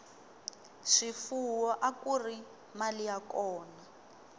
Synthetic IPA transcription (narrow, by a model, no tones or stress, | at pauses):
ʂifuwɔʔakuri | malijakɔːna